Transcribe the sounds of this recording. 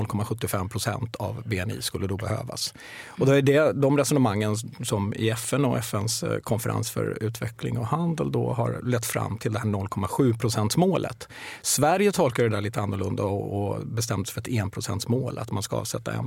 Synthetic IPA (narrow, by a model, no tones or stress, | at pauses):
lkʰɔmaɧɵt̪ːɪfɛmːpʰɾʊsɛ̰nt̪ʰavbeɛnḭːskɵlːəd̪ɔbɛhø̰ːva̰s | ɔd̪ɔæɖɛd̪ɔmɾɛsɔnəmaŋːənsɔmɪ̰ɛfɛnɔɛfɛnskʰɔnfəɾʔa̰nsfœ̰ɾʉ̟ːt̪ʰvɛklɪ̰ŋɔhand̪əld̪ɔ̰ɦaɾlɛt̪ːfɾa̰mːt̪ʰɪld̪ɛhæːɳɔlːkʰɔmːaɧʉ̟ːpʰɾʊsɛnt̪smoːlʔə̰t̪ | svæɾjət̪ʰɔlkaɾəd̪æːɭiːt̪əanːʊɾɭɵnd̪aɔɔbɛst̪ɛmd̪əsɛfœɾɛt̪eːnpʰɾʊsɛnt̪smoːlʔa̰t̪manskaɑ̰ːvsɛt̪ːa̰ɛ̰n